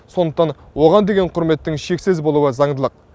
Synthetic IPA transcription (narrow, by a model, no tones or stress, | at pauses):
so̞nd̪əq̚t̪ɑn | wo̞ʁɑnd̪e̞ɡʲe̞ɴqʰʊɾme̞t̪ːɪŋʃe̞ksezbo̞lˠuwəzɑɴd̪əlˠəq̚